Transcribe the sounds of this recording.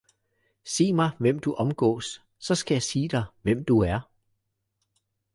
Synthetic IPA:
se̝̰ːmɑ̈ɪʋem̰d̥uʔɒ̽mɡ̥ɔ̰ːsː | ɒ̽sɡ̥æjɑ̈ɪsiːd̥ɑ̈ɪʋem̰d̥uæɐ

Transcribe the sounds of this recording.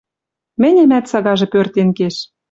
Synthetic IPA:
mɘ̆nʲĕmæt̪sɑɣɑʒĕpørt̪enkeʃ

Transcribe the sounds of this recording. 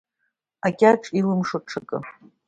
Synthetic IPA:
akʲʼaʈ͡ʂʼilɨmʂɨʈ͡ʂʰɨkʼɨ̰

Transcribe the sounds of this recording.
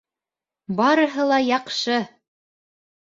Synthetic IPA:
bɑɾɤ̆ɦɤlˠɑjɑqʃɤ

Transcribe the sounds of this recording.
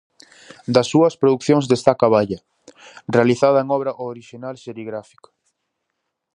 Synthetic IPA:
d̪ɐsːuɐspɾoðukθjoŋzðest̪akaβaʎɐ | realiθað̞ɐeŋɔβɾɐʔooɾiʃinalseɾiɣɾafi̥ko̥

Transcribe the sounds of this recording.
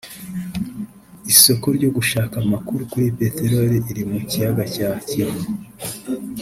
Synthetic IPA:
iso̞ko̞ɾɟo̞ɡuʃaːkamakuɾukuɾipe̞teɾo̞ɾiʔiɾimucijaɡacaciɾe

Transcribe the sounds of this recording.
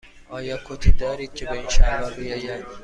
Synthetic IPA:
ʔɒːjɒːkʰot̪ʰiːd̪ɒːɾiːd̪̚kcʰe̞beinʃæhɾɒːbijɒːjæd̪

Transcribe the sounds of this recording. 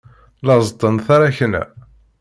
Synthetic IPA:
lɑzˤt̪ˤːənθaɾaçənæ̰

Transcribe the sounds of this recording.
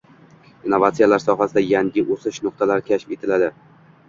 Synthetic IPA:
inːovat̪sijalaɾsɒɦasɪd̪ajaŋʲɪʔosɪʃnʊq̚t̪ʰalaɾkʲʰaʃɪ̥pe̞t̪ʰɪlad̪ɪ

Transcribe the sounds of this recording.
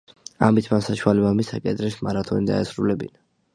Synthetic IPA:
a̰mit̪ʰmansaʃwalɛbamisakʼɛd̪ɾɛsmaɾat̪ʰɔnid̪a̰ɛsɾulɛbḭna

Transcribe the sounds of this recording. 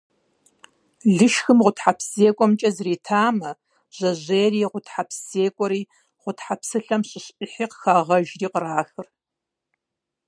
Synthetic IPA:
ɮɨʃxɨmʁʷʊtħapʰseːkʷʼɔmt͡ʃʼɐzriːtʰaːmɐ | ʑ̥ɐʑeːriːʁʷʊtħapʰseːkʷʼɔɾiː | ʁʷʊtħapʰsɨɬɐmɕʼɪɕʼɪħiːqxaʁɐʒriːqəraːxɨr

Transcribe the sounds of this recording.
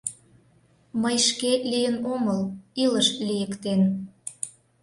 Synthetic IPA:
məjʃkelijənoməliləʃlʲijəkt̪en

